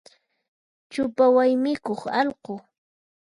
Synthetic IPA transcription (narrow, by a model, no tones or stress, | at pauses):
t͡ʃʊpawajmɪkoχɑlqo